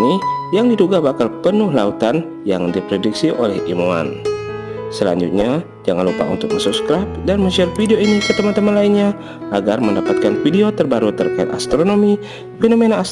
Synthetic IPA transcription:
nijaŋdiduɡabakalpənʊhlaut̪an | jaŋdipɾediksiʔo̰lɛhimua̰n | səla̰ɲd͡ʒṵt̪̚ɲa | d͡ʒaŋanlupa̰ṵnt̪ʊk̚məsupskɾap̚danmət͡ʃat̪fideoinisət̪əmant̪əmanlainɲa | ʔaɡarməndapat̪̚kanfideot̪ərbaɾut̪ərkaḭt̪ast̪ɾonomi | fenomenaː

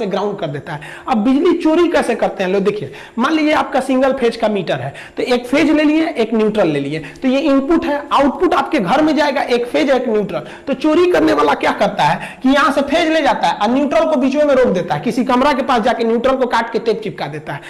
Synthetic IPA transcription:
sẽɡɾaʊɳɖ̚kəɾd̪et̪aɦɛ | əbbid͡ʒlit͡ʃoːɾikɛsekəɾt̪eɦɛ̃lod̪ekʰije | malijeaːp̚kasĩŋɡəlpʰed͡ʒkamiʈəɾɦɛ | t̪ɔekpʰed͡ʒlelijeʔeːknjuʈɾəlːeliet̪ɔjeimpuʈɦɛaʊʈ̚puʈaːpkeɡʱəɾmẽd͡ʒaeɡaʔeːkpʰed͡ʒɦɛeknjuːʈɾəl | t̪ɔt͡ʃoɾikəɾneʋaːlakjakəɾt̪aɦɛkijəɦãsẽpʰed͡ʒled͡ʒat̪aɦɛʔanjuːʈɾəlkobit͡ʃmẽmẽɾok̚d̪et̪aɦɛkisikəmɾakepaːsd͡ʒakenjuʈɾəlkokaʈkeʈep̚t͡ʃip̚kad̪et̪aɦɛ

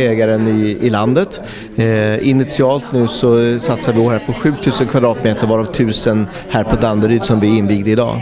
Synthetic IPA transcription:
ɛːɡaɾənɪɪland̪ət̪ | ɪnɪt̪sɪɑːlt̪nʉ̟ːsɔsat̪saɾvɪoːhæːɾpʰɔɧʉ̟ːt̪ʰʉ̟ːsənkʰvad̪ɾɑːt̪meːt̪əɾvɑːɾavt̪ʰʉ̟ːsən | hæːɾpʰɔd̪and̪əɾyːd̪sɔmvɪɪnviːɡd̪əɪd̪ɑ̰ː

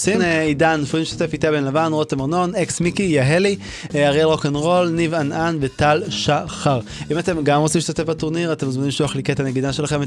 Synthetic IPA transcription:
sinidanːofʁimiʃt̪ḁt̪e̞fit̪abenlavanʁotemaʁno̞neksmikijaɦeli | aʁelʁo̞kenʁo̞lnivananvetalʃaχaʁ | imate̞mɡamʁott͡simliʃt̪atefbatuʁniʁatemzminimliʃuaχliketaneɡidaʃe̞laχe̞m

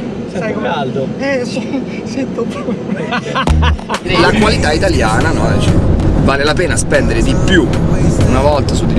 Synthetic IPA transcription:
saald̪ɛs | sit̪ːopu | lakwalit̪ait̪aljaːnanɔt͡ʃɛvaːlelapeːnaspɛnd̪eɾed̪ipːjuunavɔlt̪asud̪i

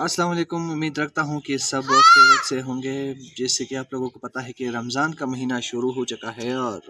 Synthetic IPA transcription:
ɐsːɐlaːmɐleːkʊmʊmiːd̪ɾɐkʰt̪aɦũkisɐbekokseɦõːŋɡeːd͡ʒɛːsekiaːploːɡõkopɐt̪aɦɛkiɾɐmzaːnkamɐɦiːnaʃʊɾuɦoːt͡ʃʊkaɦɛɔːɾ

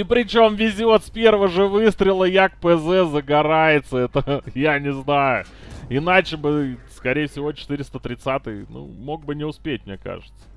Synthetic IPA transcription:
ipɾʲɪt͡ɕo̞mvʲɪzʲɪot̪spʲe̞rvəʐɨvɨst̪ɾʲɪlˠəjakpɛzɛzəɡɐɾajɪt̪səɛt̪əjanʲɪznajʊ | ɪnat͡ɕɪbɨskɐɾʲejəfʲsʲɪvot͡ɕɪ̥t̪ɨɾʲɪst̪ət̪ɾʲɪt̪sat̪ɨjnṵmo̞ɡ̚bɨnʲɪʊspʲet̚ʲmnʲeka̰ʐɨt̪sə̥

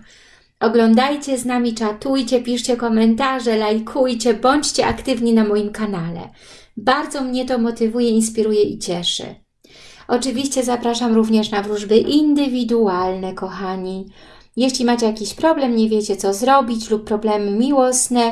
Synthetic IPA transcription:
ɔɡlɔnd̪ajt͡ɕɛznamʲit͡ʂat̪ujt͡ɕɛpʲiʂt͡ɕɛkɔmɛnt̪aʐɛlajkʰujt͡ɕɛbɔɲt͡ɕt͡ɕɛʔakt̪ɘvɲinamɔjimkanalɛ̰ | baɾd̪zɔmɲɛt̪ɔmɔt̪ɘvujɛinspʲiɾujɛʔit͡ɕɛʂɘ̰ | ʔɔt͡ʂɘvʲiɕt͡ɕɛzapɾaʂamɾuvɲɛʂnavɾuʐbɘʔind̪ɘvʲid̪ualnɛkɔxaɲi | jɛɕlʲimat͡ɕɛjakʲiɕpɾɔblɛmɲɛvʲjɛt͡ɕɛt̪sɔzɾɔbʲit͡ɕlupːɾɔblɛmɘmʲiwɔsnɛ

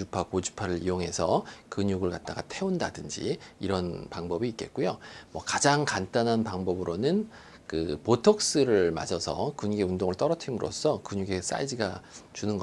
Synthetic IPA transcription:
upʰakod͡ʑu̥pʰaɾɯɾijoŋɦe̞sʰʌkɯɲuɡɯɭkat̚t͈aɡatʰe̞undadɯnd͡ʑḭiɾʌnpaŋbʌbiːtk͈e̞̰t̚k͈ujomwʌkad͡ʑaŋkant͈anɦanpaŋbʌbɯɾonɯn | kɯpotʰʌk̚s͈ɯɾɯɭma̰d͡ʑʌsʰʌ̰kunɡeundoŋɯɭt͈ʌɾʌtʰimɯɾo̰s͈ʰʌkɯɲuɡe̞s͈a̰id͡ʑiɡat͡ɕunɯnɡʌ

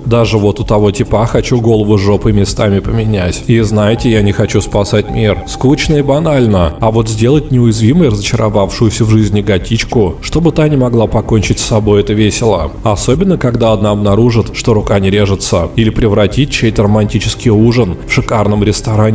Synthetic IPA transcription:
d̪aʐɨvo̞t̪ʊt̪ɐvo̞tʲɪpaxɐt͡ɕuɡo̞lˠəvʊʐo̞pɨmʲɪst̪amʲɪpəmʲɪnʲætʲiznajɪtʲɪjanʲɪxɐt͡ɕuspɐsat̚ʲmʲirskut͡ɕnəibɐnalʲnəɐvo̞t̪zʲdʲe̞lˠətʲnʲɪʊjɪzvʲiməjrəzət͡ɕɪɾavafʂʊjʊsʲəvʐɨzʲnʲɪɡɐtʲit͡ɕkʊʂt̪o̞bɨt̪anʲɪmɐɡlˠapɐkonʲt͡ɕɪtʲsːɐbo̞jɛt̪əvʲesʲɪlˠə̰ɐso̞bʲɪnːəkɐɡd̪aɐd̪naɐbnɐɾuʐɨt̪ʂt̪o̞ɾʊkanʲɪɾʲeʐɨt̪səilʲɪpɾʲɪvɾɐtʲit̚ʲt͡ɕejt̪əɾəmɐnʲtʲit͡ɕɪskʲɪjuʐənfʂɨkarnəmɾʲɪst̪ɐɾanʲɪ

